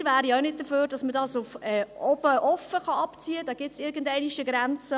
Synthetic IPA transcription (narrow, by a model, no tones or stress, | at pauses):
væːɾioʊnɪt̚dəføːɾd̥ɑsmədɑsʊfɛːɔbəʔɔfəχɑɑpt͡siːəd̥ɑːɡ̥ɪtsɪɾɡ̥əndɛɪniʃəɡɾænt͡sə